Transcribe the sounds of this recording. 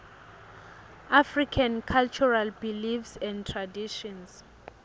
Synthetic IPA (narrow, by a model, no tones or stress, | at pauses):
afrikʰankʰalt͡ʃʰɔralbilifsɛ̃ndtʰradiʃɔns